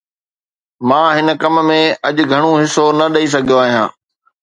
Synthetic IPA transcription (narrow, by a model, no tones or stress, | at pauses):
mãːɦɪnə̆kɐmmẽɐʄɡʱɐɽ̃õɦɪsonɐɗɐis̬ɐɡʱijoaːɦijãː